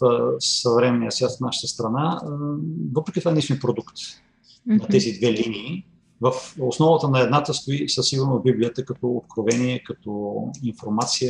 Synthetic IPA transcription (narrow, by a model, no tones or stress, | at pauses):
əsəvɾɛmɛnijəsjʲast̪fnaʃə̥t̪əst̪ɾɐna | vɤpɾɛkʲit̪ovaɛnisinpɾod̪ukt̪ | nɐt̪ɛzid̪vɛlinʲiː | vəfosnɔvət̪ənɐɛd̪nat̪əst̪oisəsiɡʊɾnobiblijət̪əkɐt̪ɔot̪kɾovɛniɛkɐt̪ɔinfoɾmat̪sijə